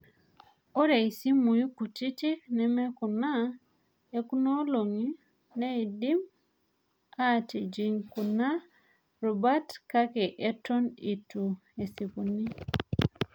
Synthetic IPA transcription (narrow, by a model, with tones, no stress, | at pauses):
o˦ɾe˨i˨si˦mu˨i˦ku˨ti˦ti˦knɛ˨mɛ˦ku˨na˦ | e˦ku˦no˦lo˨ŋi˦ | nɛ˦i˨di˦m | a˦˨ti˨d͡ʒi˨ŋku˨na˦ | ɾɔ˨ba˦tka˦kɛ˨ʔe˦tɔ˦ni˨tu˨e˨si˨pu˨ni˦